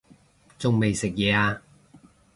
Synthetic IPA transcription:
t͡sʊ˨ŋme˨jsɪ˨k̚jɛː˨˧aː˧

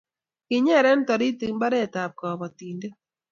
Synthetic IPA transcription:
kɪ˨ɲɛ˦˨ɾɛ˦n˦tɔ˨ɾi˦ti˨ŋ˦ba˦ɾɛ˦˨ta˨p̚kɔ˨bɔ˨tiː˨nde˦

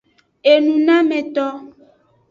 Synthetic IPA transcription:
e˨nũ˨nã˦mɛ̃˨t̪ɔ˦

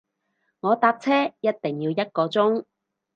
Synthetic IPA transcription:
ŋɔː˨˧t̪aː˧p̚t͡sʰɛː˥jɐ˥t̚t̪ɪ˨˩ŋjiː˧wjɐ˥t̚kɔː˧t͡sʊ˥ŋ

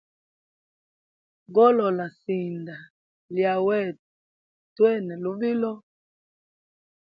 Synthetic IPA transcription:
ɡɔ˦lɔ˨la˨si˨nda˨ | lja˨wɛ˦˨ | twɛ˦˨nɛ˨lu˦vi˦lɔ˦

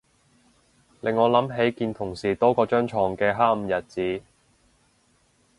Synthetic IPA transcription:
lɪ˨˩ŋːɔː˨˧lɐ˨˥mɦe˨˥jkiː˧nt̪ʰʊ˨˩ŋsiː˨˩t̪ɔː˥kɔː˧t͡ʃœː˥ŋt͡ʃʰɔː˨˩ŋkɛː˧ɦaː˥m̩˨˧jɐ˨t̚t͡siː˨˥

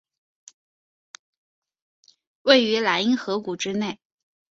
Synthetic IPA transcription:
we˥˩ɪy˧˥la˧˥ɪi˥ŋxɤ˧˥ku˨˩ʈ͡ʂɻ̩˥ne˥˩ɪ

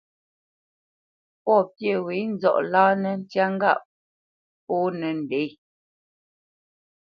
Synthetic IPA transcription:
pɔ˦˨pje˦˨wi˨˦n̩˦zɔ̰˦˨ʔlaː˦nɛ˨n̩˦tja˦ŋ˦ɡa̰˦˨ʔ | pɔ˦nɛ˨n̩˨de˨˦

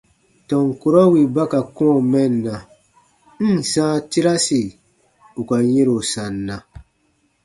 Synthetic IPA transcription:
tɔ̃˨ŋ˨ku˦ɾɔ˦wi˨ba˦ka˨kɔ̃˦˨mɛ̃˦˨nː˨ã˨ | n̩˦˨sãː˦ti˦ɾa˦si˨ | u˨ka˨jẽ˦ɾo˨sã˨nːã˨

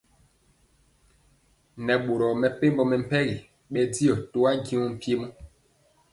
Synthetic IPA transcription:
nɛ˨ɓo˨ɾɔ˨mɛ˨pe˦mbɔ˦mɛ˨m̩˦pɛ˦ɣi˨ | ɓɛ˦di˦ɔ˨to˦a˦ɡi˦ŋɔ˦m̩˦pje˦mɔ˦

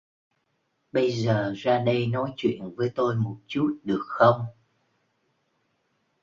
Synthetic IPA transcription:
ɓə˧jzəː˨˩zaː˧ɗə˧jnɔ˨˦jt͡ɕwḭ˧˨ənvəː˨˦jt̪o˧jmo˨˩t̚t͡ɕu˦˥t̚ɗɨ˨˩ək̚xə˧wŋ͡m

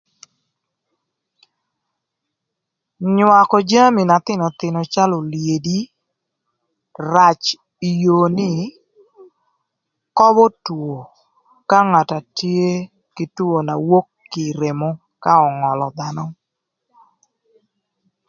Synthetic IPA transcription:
ɲwa˨kɔ˨d͡ʒa˦mi˨na˨t̪ɪ˦nɔ˨t̪ɪ˨no˨t͡ʃa˦lo˨lje˨di˦ | ra˨t͡ʃ | i˨jo˨nɪ˦ | kɔ˦bɔ˦two˨ | ka˦ŋa˨ta˨tje˦ | kɪ˨tu˦o˨na̰˨wo˦kːi˨ɾe˨mo˦ | ka˦ɔ˨ŋɔ˨lɔ˨d̪a˦nɔ˦

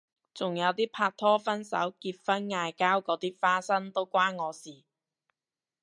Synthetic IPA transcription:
t͡sʊ˨˩ŋjɐ˨˧wt̪iː˥pʰaː˧k̚t̪ʰɔː˥fɐ˥nsɐ̰˨˥wkiː˧t̚fɐ˥nŋaː˧jkaː˥wkɔː˨˧˥t̪iː˥faː˥sɐ˥nt̪o˥wkʷaː˥nŋɔː˨˧siː˨˩

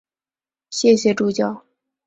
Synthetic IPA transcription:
ɕjɛ˥˩ɕjɛ˨˩ʈ͡ʂu˥˧t͡ɕjɑ˥˩ʊ

